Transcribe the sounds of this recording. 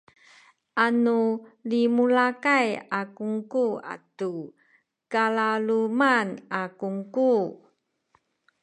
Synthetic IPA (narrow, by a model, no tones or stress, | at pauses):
ʔanulimulakajakuŋkua̰tu | kalalumanakuŋku